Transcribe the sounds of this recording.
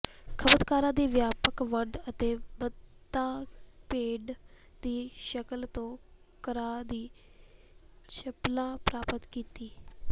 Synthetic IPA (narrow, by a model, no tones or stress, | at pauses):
kʰəbəd̪kaːɾãːd̪iːʋjaːpəkʋəɖət̪eːbət̪ːaːpeːɖ | d̪iːʃəkəlt̪õː | kəɾaːd̪iː | t͡ʃʰəplãːpɾaːpət̪kiːt̪iː